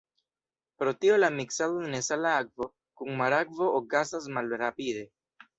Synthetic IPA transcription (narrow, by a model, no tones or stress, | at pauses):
pɾo̞t̪iolamiksaðodenesalaak̚vo̞ | kuŋmaɾakvo̞ʔokasas̬malɾapid̪e̞